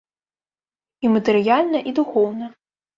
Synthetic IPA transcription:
imɐt̪ɛɾɨjalʲnɐʔid̪uxɔwnɐ

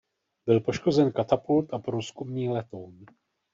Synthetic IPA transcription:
bɪlpo̞ʃko̞zɛnkat̪apult̪ʔapɾuːskumɲiːlɛt̪own

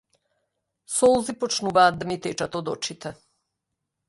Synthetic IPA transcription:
sɔlˠzipɔt͡ʃnuvaːd̪̚d̪amit̪ɛt͡ʃat̪ɔd̪ɔt͡ʃit̪ɛ

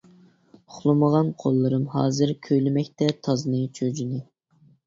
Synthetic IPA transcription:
ʊχlˠɨməʁɑnqʰolˠːɨɾɨmɦɑ̰ːzɨɾkʲʰøjlɪmɛkʲt̪ɛt̪ʰɑznɨt͡ʃʰød͡ʒinɨ

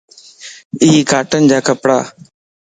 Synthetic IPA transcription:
ɪiːkaːʈənd͡ʒaːkəpɽa̰ː

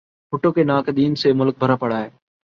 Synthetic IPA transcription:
fʊʈõːkeːnaːkɗ̪iːnseːmʊlk̚bʱəɾaːpəɽaːɦɛː

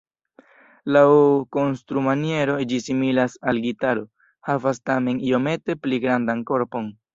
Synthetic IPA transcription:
lawko̞nstɾumanie̞ɾo̞d͡ʒisimilasalɡitaɾo̞ | havastame̞nio̞me̞te̞pliɡɾandanko̞ɾpo̞n

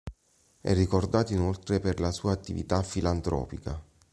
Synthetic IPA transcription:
ɛ̰rːikord̪aːt̪oinolt̪ɾeperlasuːaːt̪ːivḭt̪afːilant̪ɾɔ̰ːpika̰

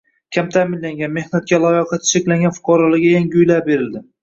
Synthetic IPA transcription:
kʲʰamt̪ʰamɪnlːaŋɡʲanme̞hnat̪̚kʲalˠɒjɒqʰɑt̪ʰɪ̥ʃekʲlaŋɡʲanfʊ̥qʰɒɾɒlaɡʲajaŋʲʊjlaɾbe̞ɾɪld̪ɪ

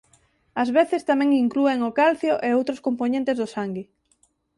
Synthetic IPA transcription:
azβeθest̪amɛ̃ŋiŋklueŋokalθjoʔeowt̪ɾoskomponẽnt̪ezðʊsaŋɡi

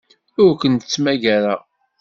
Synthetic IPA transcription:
ʊɾkənət͡sːmæʝæɾa

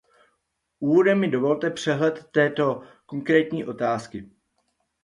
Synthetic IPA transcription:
ʔuːvo̞dɛmːɪdo̞vo̞lt̪ɛpr̝̥ɛɦlɛt̪ːɛːt̪o̞ko̞ŋkɾɛːt̪ɲiːʔo̞t̪aːskɪ

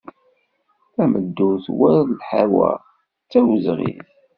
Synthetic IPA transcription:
æməd̪ːʊθwæðlħawæ̰ | t͡sːæwəzʁḭθ

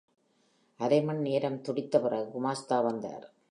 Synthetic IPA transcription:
ɐɾɐɪmɐɳneːɾɐmt̪ɔɽɪt̪ːɐpɯrɐɣɯɡʊmaːst̪aːʋɐnd̪a̰ːɾ

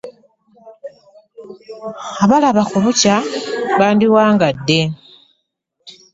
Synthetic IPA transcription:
aβalaβakuβucaβaːndiwaːŋɡadːe̞

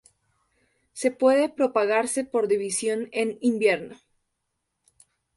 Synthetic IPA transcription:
se̞pwe̞ðepɾo̞paɣaɾse̞po̞ɾðiβisjo̞nenimbje̞ɾno

